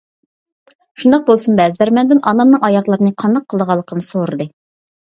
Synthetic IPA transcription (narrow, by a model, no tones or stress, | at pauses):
ʃund̪ɑq̚bolˠsunbɛzd̪æɾmɛnd̪ɪnʔɑnɑmnɨŋɑjɑʁlˠɑɾɨnɨqʰɑnd̪ɑqʰːəlˠd̪əʁɑlˠːəqʰənɨsoɾɨd̪ɨ